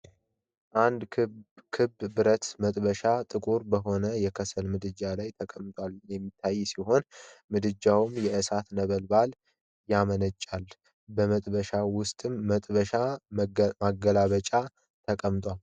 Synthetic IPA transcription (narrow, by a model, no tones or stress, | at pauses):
ʔand̪ʰkʰɨbːbɨɾət̪mət̪ʼbəʃat̪ʼɨkʼuɾbəɦo̞nəjɛkʰəsəlmɨd̪ɨd͡ʒalajt̪ʰəkʼəmt̪ʼwaljɛmːit̪ʰːajːsiho̞nmɨd̪ɨd͡ʒawmjɛʔɨsat̪nəβəlbal | jamənət͡ʃʼːal | bəmət̪ʼbəʃawʊst̪ʼɨmːt̪ʼβəʃa | maɡəlaβət͡ʃʼa | t̪ʰəkʼəmt̪ʼwal